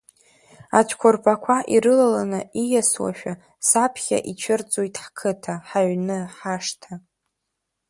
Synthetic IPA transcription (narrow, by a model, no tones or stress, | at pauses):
at͡ʃʷʰkʷʰʊrpʰʼakʷʰaʔiɾɨlalanɨijaswa̰ʃᶣa | sapʰχʲa̰ʔit͡ʃʷʰɨrt͡sʼojtʼħkʰɨtʰaħaɥnɨħaʂtʰa